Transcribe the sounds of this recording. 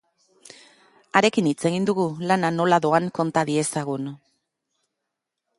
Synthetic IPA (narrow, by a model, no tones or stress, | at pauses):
aɾe̞kinit͡se̞ɣ̞ind̪uɣulanano̞laðo̞aŋko̞nt̪aðie̞saɣ̞un